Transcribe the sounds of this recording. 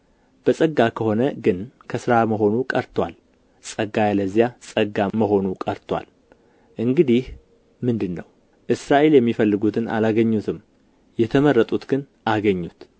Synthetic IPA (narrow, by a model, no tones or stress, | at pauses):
b̥əsʼəɡːakʰəho̞nəɡɨnkʰəsɨɾaməɦo̞nukʼəɾt̪ʰwa̰l | sʼəɡːajaləzːijasʼəɡaməɦo̞nukʼəɾt̪ʰwa̰l | ʔɨŋɡɨd̪ih | mɨnd̪ɨnːəw | ʔɨsɾaʔe̞ljɛmːifəlːɨɡut̪ʰɨna̰laɡəɲːut̪ʰɨm | jɛt̪ʰəmərːət̪ʼut̪ɡ̥ɨn | ʔaɡəɲːut̪